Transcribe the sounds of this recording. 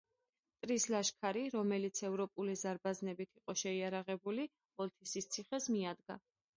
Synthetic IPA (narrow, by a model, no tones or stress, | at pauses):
t̪ʼɾislaʃkʰaɾiɾɔmɛlit̪sʰɛvɾɔpʼulizaɾbaznɛbit̪ʰiqʼɔʃɛiaɾaʁɛbuli | ɔlt̪ʰisist̪sʰiχɛsmiad̪ɡa̰